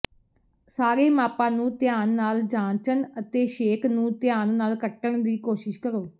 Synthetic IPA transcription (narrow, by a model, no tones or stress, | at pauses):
saːɾeːmaːpãːnũːt̪jaːnːaːld͡ʒãːt͡ʃənət̪eːʃeːkʰnũːt̪ɪjaːnnaːlkəʈːəɳd̪iːkoːʃɪʃkəɾoː